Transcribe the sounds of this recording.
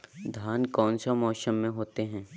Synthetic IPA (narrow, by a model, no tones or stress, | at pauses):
d̪ʱjaːnkɔːnsamɔːʃəmːẽɦoːt̪eɦɛ̃ː